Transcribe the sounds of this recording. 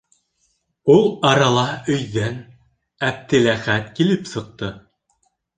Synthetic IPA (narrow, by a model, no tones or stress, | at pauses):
ulˠɑɾɑlˠɑɵ̆jðæn | æp̚t̪ɘ̆læχæt̪kilɘpsɤ̆q̚t̪ɤ